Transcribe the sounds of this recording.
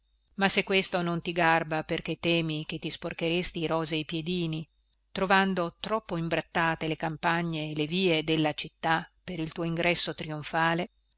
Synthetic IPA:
masːekːwest̪onont̪iɡarbaperk̟et̪ːɛːmik̟et̪ːisporkeɾest̪iːɾɔːzeipjed̪iːni | t̪ɾovand̪ot̪ɾɔpːoimbɾat̪ːaːt̪elekampaɲːeːleviːed̪elːat͡ʃit̪ːapeɾilt̪uːoiŋɡɾɛsːot̪ɾioɱfaːle

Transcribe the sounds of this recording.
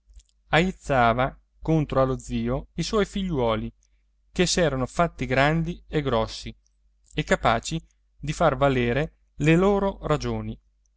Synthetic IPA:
ajit̪sːaːva | kont̪ɾoalod̪ziːoiswɔjfiʎːwɔːli | kesɛːɾanofat̪ːiɡɾand̪ieɡɾɔsːi | ekːapaːt͡ʃi | d̪ifarvaleːɾe | leloːɾorad͡ʒoːni

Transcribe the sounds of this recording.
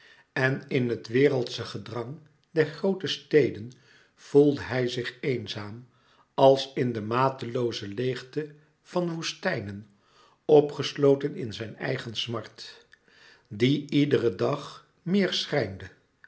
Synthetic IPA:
ɛnɪnɦətʋɪːrəlˠtsəχədrɑŋ | dɛɹχrowtəstejdən | v̥ulˠdəɦɛjzɪχejnzaːm | ɑlˠsɪndəmaːtəlowzəlejχtə | v̥ɑnʋustɛjnən | ɔpχəslowtənɪnzɛjnɛ̰jχənsmɑɹt | diidərədɑχ | mɪːɹsrɛjndə

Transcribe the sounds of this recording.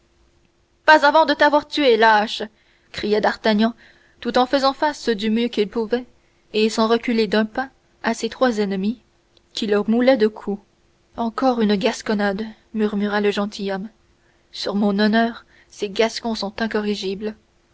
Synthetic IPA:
pazavɑ̃d̪ət̪avwaʁt̪yelaʃ | kχijad̪aʁt̪aɲɑ̃ | t̪ut̪ɑ̃fəzɑ̃fasəd̪ymjøkʲilpuvɛ | esɑ̃ʁəkʲyled̪ɛ̃pɛ̃ | aset̪χwazɛnmi | kʲʰiləʁmulɛd̪əkʰu | ɑ̃kɔʁynɡaskɔnad̪ | myʁmyʁaləʒɑ̃t̪ʰijɔm | syʁmɔ̃nɔnœːʁ | seɡaskɔ̃sɔ̃t̪ɛ̃kɔʁiʒibl

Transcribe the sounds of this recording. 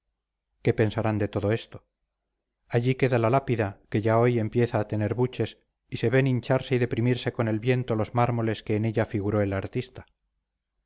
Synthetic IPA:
ke̞pe̞nsaɾand̪e̞t̪o̞ðo̞e̞st̪o̞̥ | aʎike̞ðalalapiðake̞ʝao̞je̞mpje̞θaːt̪e̞ne̞ɾβut͡ʃe̞s | ise̞βeniɲt͡ʃaɾse̞iðe̞pɾimiɾse̞ko̞ne̞lβje̞nt̪o̞lo̞zmaɾmo̞le̞ske̞ːne̞ʎafiɣ̞uɾo̞e̞laɾt̪ist̪ḁ

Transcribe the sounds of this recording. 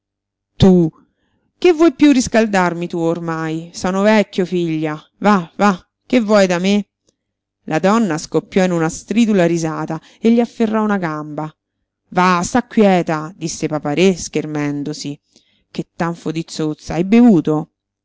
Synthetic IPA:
t̪u | k̟evːwɔjpjuriskald̪armit̪uormajsɔːnovɛkːjofiʎːa | vava | kːevːwɔjd̪ame | lʔad̪ɔnːaskopːjɔinunast̪ɾiːd̪ulaɾizaːt̪a | eʎːiafːerːɔunaɡamba | vast̪akːwjɛːt̪ad̪isːepapaɾesk̟ermɛnd̪osi | k̟et̪ːaɱfod̪it̪sot̪sːaajbevuːt̪o

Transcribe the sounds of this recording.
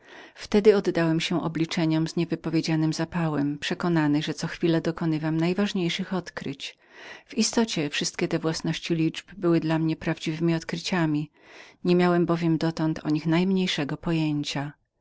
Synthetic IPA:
ft̪ɛd̪ɘɔd̪ːawɛmɕɛʔɔblʲit͡ʂɛɲɔmzɲɛvɘpɔvʲjed͡ʑanɘmzapawɛmpʂɛkɔnanɘʐɛt̪sɔxfʲilɛd̪ɔkɔnɘvamnajvaʐɲejʂɘxɔt̪kɾɘt͡ɕ | v̥ist̪ɔt͡ɕɛfʂɘst̪̚kʲɛt̪ɛvwasnɔɕt͡ɕilʲid͡ʐbbɘwɘd̪lamɲɛpɾavd͡ʑivɘmʲiɔt̪kɾɘt͡ɕamʲi | ɲɛmʲjawɛmbɔvʲjɛmd̪ɔt̪ɔnt̪ʰɔɲixnajmɲejʂɛɡɔpɔjeɲt͡ɕa

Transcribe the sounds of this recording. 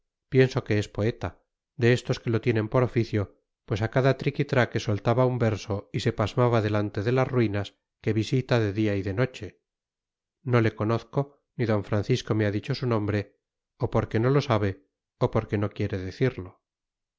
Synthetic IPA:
pje̞nso̞ke̞espo̞e̞t̪a | d̪e̞est̪o̞ske̞lo̞t̪je̞nẽ̞mpo̞ɾo̞fiθjo̞ | pwe̞sakaðat̪ɾikit̪ɾake̞solt̪aβaumbe̞ɾso̞ise̞pazmaβaðe̞lant̪e̞ðe̞lazrwinas | ke̞βisit̪aðe̞ðiaiðe̞no̞t͡ʃe̞ | no̞le̞ko̞noθko̞ | niðo̞ɱfɾanθisko̞me̞aðit͡ʃo̞sunõ̞mbɾe̞ | opo̞ɾke̞no̞lo̞saβ̞e̞ | opo̞ɾke̞no̞kje̞ɾe̞ðe̞θiɾlo̞

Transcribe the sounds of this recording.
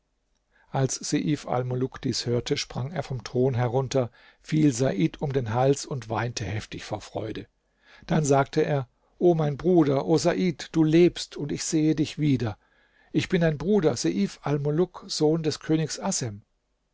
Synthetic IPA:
ʔalsz̥eʔiːfa̰lmolʊkd̥iːshøːɐtʰəʃpʁ̥aŋeːɐfɔmtʁ̥oːnɦɛʁʊntɐ | fiːlzaʔiːtʰʊmdeːnɦalsʊntv̥aɪntʰəhɛftɪçfoːɐfʁ̥ɔ̰ʏdə | d̥anzaːk̚tʰəʔeːɐ | ʔoːmaɪnbʁuːdɐʔoːzaʔiːtd̥uːleːpstʰʊntɪçz̥eːədɪçv̥iːdɐ | ʔɪçb̥ɪndaɪnbʁuːdɐzeʔiːfalmolʊkz̥oːndɛskʰøːnɪçsʔasɛm

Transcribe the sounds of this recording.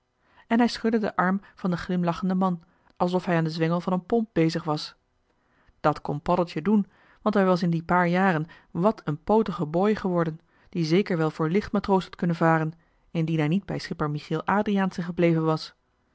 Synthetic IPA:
ɛnɦɛjsχɵdədə̰ʔɑɹmv̥ɑndəχlɪmlɑχəndəmɑn | ʔɑlˠsɔfɦɛjaːndəzʋɛŋəlˠvɑnənpɔmp̚b̥ejzəχʋɑs | d̥ɑtkɔnpɑdəlˠtjədun | ʋɑntɦɛjʋɑs̬ɪndipaːɹjaːrən | ʋɑtʰənpowtəχəbojχəʋɔɹdən | d̥izejkəɹʋɛlˠvʊːɹlɪχtmaːtrowshɑtkɵnənvaːrən | ɪndinɦɛɹnid̚bɛjsχɪpəɹmiχilˠʔaːdriaːnsɛnχəblejvənʋɑs

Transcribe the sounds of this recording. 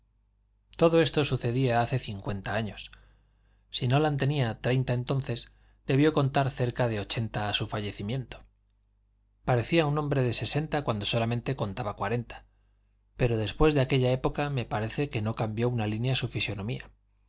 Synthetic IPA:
t̪o̞ðo̞e̞st̪o̞suθe̞ðiaaθe̞θiŋkwe̞nt̪aaɲo̞sː | ino̞lant̪e̞niat̪ɾe̞jnt̪ae̞nt̪o̞nθe̞z | d̪e̞β̞jo̞ko̞nt̪aɾθe̞ɾkaðe̞o̞t͡ʃe̞nt̪aːsufaʝe̞θimjẽ̞nt̪o̥ | paɾeθiaunombɾe̞ðe̞se̞se̞nt̪akwand̪o̞so̞lamẽnt̪e̞ko̞nt̪aβakwaɾe̞nt̪ḁ | pe̞ɾo̞ð̞e̞spwe̞zðe̞ake̞ʎae̞po̞kame̞paɾe̞θe̞ke̞no̞kambjo̞unalinjasufisjo̞nõ̞mia

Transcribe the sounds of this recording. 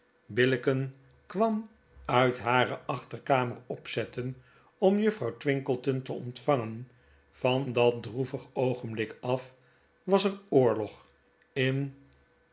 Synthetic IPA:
bɪlɪkən | kʋɑm | œɥtɦaːɾəʔɑχtərkaːmərɔpsɛtən | ɔmjɵfrɑwtʋɪŋkəlˠtəntəɔ̰ntfɑŋən | v̥ɑndɑt̚druvəχowχənblɪkɑf | ʋɑsərʊːɹlɔχ | ɪn

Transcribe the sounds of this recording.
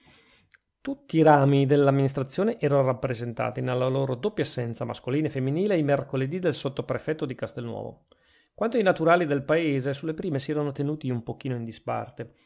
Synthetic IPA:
t̪ut̪ːiːɾaːmid̪elːamːinis̬t̪ɾat̪sːjoːneʔɛːɾanorapːɾezent̪a̰ːt̪inelːaloːɾod̪opːjasːɛnt̪sama̰skoliːnefemːiniːleimerkoled̪id̪elsot̪ːopɾefɛt̪ːod̪ikast̪elnwɔ̰ːvo̰ | kwant̪oinat̪uɾaːlid̪elpaeːzesulːepɾiːmesiɛːɾanot̪enuːt̪iumpok̟iːnoind̪ispa̰rt̪e

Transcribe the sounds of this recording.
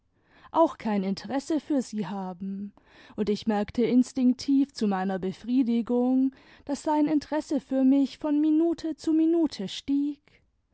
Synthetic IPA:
ʔaʊxkʰaɪnɪntʰəʁɛsəfyːɐziːɦaːbm̩ | ʔʊntɪçmɛɐktʰəɪnstɪŋk̚tʰiːft͡sumaɪnɐbəfʁ̥iːdɪɡʊŋ | d̥asz̥aɪnɪntəʁɛsəfyːɐmɪçfɔnminuːtʰət͡suminuːtʰəʃtiːk

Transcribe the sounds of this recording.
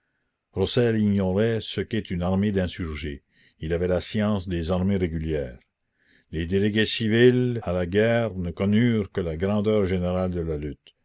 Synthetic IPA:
ɾɔsɛliɲɔɾɛsəkɛt̪ynaʁmed̪ɛ̃syʁʒe | ilavɛlasjɑ̃ːsd̪ezaʁmeɾeɡyljɛːʁ | led̪eleɡesivilalaɡɛːʁnəkɔnyːʁkəlaɡɾɑ̃ːd̪œːʁʒeneɾald̪əlalyt̪

